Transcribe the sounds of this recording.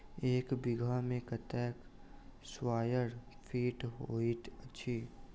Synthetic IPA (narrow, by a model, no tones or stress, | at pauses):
eːkbɪɡʱamẽkət̪ɛːkswaːjəɾfʰiːʈɦoːiʈ̪ətːʃʰiː